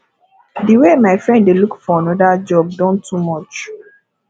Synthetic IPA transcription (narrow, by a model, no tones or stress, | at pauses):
diwemaɪfɹɛ̃nddelukfɔãnɔdad͡ʒɔb̚dɔ̃ntʰumɔt͡ʃ